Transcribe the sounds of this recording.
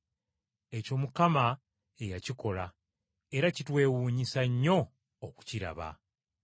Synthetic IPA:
e̞co̞ːmukama | e̞jaciko̞la | e̞ɾacitwe̞ːwuːɲisaɲːo̞ː | ku̥ciɾa̰βa̰

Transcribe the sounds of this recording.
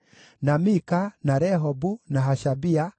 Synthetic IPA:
namikanaɾɛɦɔbunaɦaʃabia

